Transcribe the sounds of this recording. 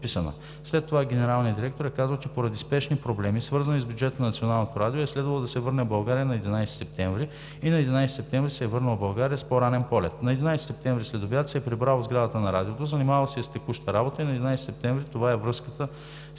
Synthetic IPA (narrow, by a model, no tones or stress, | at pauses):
pisənə̰ | slɛt̪ːovaɡʲɛnɛɾalˠniəd̪iɾɛk̚t̪oɾɛkazəlˠt͡ʃɛpoɾɐd̪ispɛʃnipɾoblɛmisvɤɾzɐnizbʲjʊd͡ʒɛt̪ənɐnɐt̪sionalˠnot̪oɾad̪ioɛslɛd̪vɐlˠod̪ɐsɛvɤɾnɛbɐlˠɡaɾijənɐɛd̪inajsi̥sɛp̚t̪ɛɱvɾi | inɐɛd̪inajsɛ̥sɛp̚t̪ɛ̃ɱvɾisɛːvɤɾnəlˠbɐlˠɡaɾijəspoɾanɛnpɔlɛ̰t̪nɐɛd̪inajsɛ̥sɛp̚t̪ɛ̃ɱvɾislɛd̪objat̪sɛɛpɾibɾalˠzɡɾad̪ət̪ənɐɾad̪iot̪ozəɐnimavɐlˠsɛist̪ɛkuʃt̪əɾabot̪əinɐɛd̪inajsɛ̥sɛp̚t̪ɛ̃ɱvɾit̪ovaɛvɾɤskət̪ə